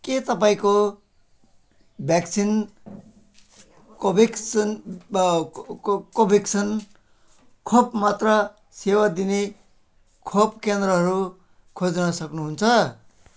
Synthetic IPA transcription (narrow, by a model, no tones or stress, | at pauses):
ket̪ʌpaĩko | bʱjaksʰin | kobekn | kobʱiksʰʌn | kʰopmat̪rʌ | sewad̪ine | kʰopkend̪rʌɦʌɾu | kʰod͡znʌsʌknuɦunt͡sʰʌ